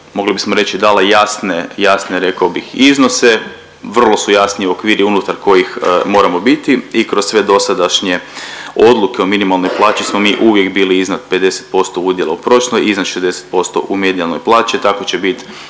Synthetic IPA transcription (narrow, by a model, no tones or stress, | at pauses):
mo̞ɡlibismoɾe̞t͡ɕid̪aːlajasnejasneɾe̞kaobixizno̞se̞ | ʋr̩lˠo̞sujasniio̞kʋiːɾʔiunut̪aɾko̞jixmo̞ɾamo̞bit̪iikɾossʋe̞d̪o̞sad̪aʃɲeo̞d̪lˠuke̞ominimalˠnojplˠaːt͡ʃismomiːʔuʋje̞kbiːliiznat̪̚pe̞d̪e̞se̥t̪̚po̞st̪o̞ud̪jelaupɾo̞ʃlˠojiznat̪ʃezd̪ese̥t̪̚po̞st̪o̞̰ʔume̞d̪ialˠnojplˠaːt͡ʃit̪ako̞t͡ɕebit̪